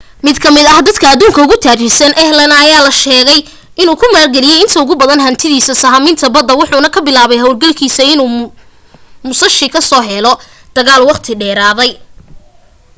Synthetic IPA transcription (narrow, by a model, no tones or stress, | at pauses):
mɪd̪kʰɐmɪd̪ɐhd̪ɐd̪kʰɐːd̪uːŋkʰɐʊɣʊt̪ʰaːt͡ʃɪsɐnʔɛhlɐnɐɐjaːlɐʃɛːɣɛj | ʔɪnuːkʰʊmaːrɡɛlɪjɛjɪnt̪ʰɐʊɣʊbɐðɐnɦɐnt̪ʰɪðiːsɐsɐɦɐmɪnt̪ʰɐbɐd̪ːɐwʊħuːnɐkʰɐbɪlaːβɛjɦɐwlɡɐlkʰiːsɐɪnuː | mʊsɐʃɪkʰɐsɔːɦɛlɔ | d̪̥ɐɣaːlwɑqt̪ʰɪɖɛːɾaːðɛj